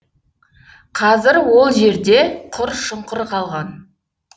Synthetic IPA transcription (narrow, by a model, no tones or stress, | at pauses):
qʰɑzɪɾwo̞lˠʒe̞ɾd̪e̞qʰʊɾʃʊɴqəɾqʰɑlˠʁɑn